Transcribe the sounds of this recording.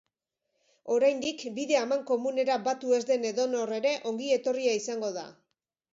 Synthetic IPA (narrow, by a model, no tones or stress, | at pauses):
o̞ɾajnd̪ikbiðe̞amaŋko̞mune̞ɾabat̪ue̞zd̪e̞ne̞ðo̞no̞re̞ɾe̞ʔo̞ŋɡie̞t̪o̞riaisaŋɡo̞ða̰